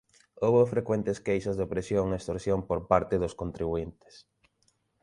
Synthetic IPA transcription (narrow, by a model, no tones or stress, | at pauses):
oβofɾekwɛnt̪eskejsʊzðɪpɾesjoŋest̪oɾsjompoɾpaɾt̪ɪðʊskont̪ɾiβuint̪e̥s